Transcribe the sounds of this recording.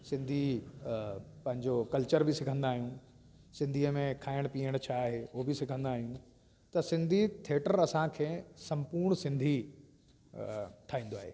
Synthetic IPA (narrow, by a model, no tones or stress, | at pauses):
sɪ̃nd̪ʱi | pɐ̃ɦɪ̃ɲd͡ʑokɐlt͡ɕəɾbɪsɪkʰə̃nd̪aːɦiũ | sɪ̃nd̪ʱiːəmẽkʰaːɪɽ̃piːəɽ̃t͡ɕʰaːɦeːʊɦbɪsɪkʰə̃nd̪aːɦijũ | t̪ɐsɪ̃nd̪ʱit̪ʰieːʈəɾɐsãkʰeːsɐ̃mpuːɾɳ̃sɪ̃nd̪ʱi | ʈʰaːĩːnd̪oaːɦḛː